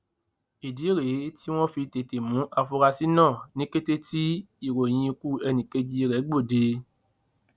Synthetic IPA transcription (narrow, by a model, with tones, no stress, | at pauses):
i˨di˨˦ɾe˨˦ti˦w̃ɔ̃˦fi˧te˨te˨mũ˨˦ʔa˧fu˧ɾa˧si˦nãː˦˨nĩ˦ke˦te˦ti˦i˦˨ɾo˨j̃ĩ˧i˧ku˦ɛ˧nĩ˨ke˧d͡ʒi˦i˧ɾɛ˨˦ɡ͡bo˦˨de˧